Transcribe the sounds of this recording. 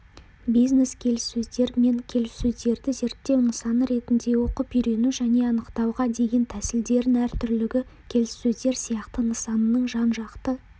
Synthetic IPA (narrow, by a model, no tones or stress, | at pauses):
bijzne̞skʲʰe̞lɪsːɵzd̪e̞ɾme̞ŋkʲʰe̞lɪsːɵzd̪e̞ɾd̪ɪze̞ɾt̪ːe̞wnəsɑnəɾe̞t̪ɪnd̪e̞wo̞qəpʏjɾe̞nuʒæne̞ɑnəqt̪ɑwʁɑd̪e̞ɡʲe̞nt̪ʰæsɪld̪e̞ɾɪnæɾt̪ʰʏɾlɪɡʲɪkʲʰe̞lɪsːɵzd̪e̞ɾsijɑqt̪ənəsɑnənəɴʒɑnʒɑqt̪ə